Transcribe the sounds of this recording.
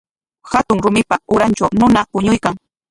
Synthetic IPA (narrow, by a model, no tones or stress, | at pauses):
hat̪ʊŋɾʊmɪpaʊɾant͡ʃawnʊnapʊɲʊjkaŋ